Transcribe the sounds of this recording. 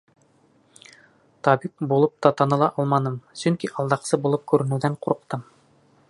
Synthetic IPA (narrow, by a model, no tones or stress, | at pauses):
t̪ɑbik̚bulˠɤp̚t̪ɑt̪ɑnɤ̆lˠɑʔɑlˠmɑnɤmsɵŋkiʔɑlˠd̪ɑqsɤbulˠɤp̚kʉɾɘ̆nʉðæɴquɾɤ̆qt̪ɤm